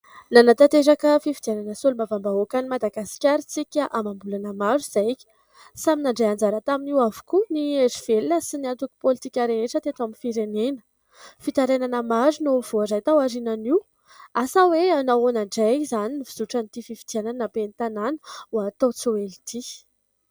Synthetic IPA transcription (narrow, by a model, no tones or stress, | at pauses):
nanat̪at̪eɾakəfivid̪̥iananəsolumavambaokanimad̪aɡasi̥kʲaɾit͡sikʲaʔamambulanəmaɾuiz̥ajkʲi̥ | saminaɳɖ͡ʐajand͡zaɾət̪aminiwavu̥kunieziv̥elinəsiniant̪uku̥polit̪ikʲaɾeeʈ͡ʂət̪et̪aminfiɾenenə̥ | fit̪aɾenanəmaɾunoiv̥oazajt̪awaɾinaniw | asaweanawonaɳɖ͡ʐazaniniviz̥uʈ͡ʂanit̪ifivi̥d̪ianannapenit̪ananə̥wat̪owt͡soelit̪ʰi